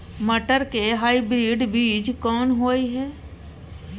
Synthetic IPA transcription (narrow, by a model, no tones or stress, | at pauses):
məʈəɾkeɦaːibɾiːɖbiːd͡ʒkɔːnɦoːiɦɛː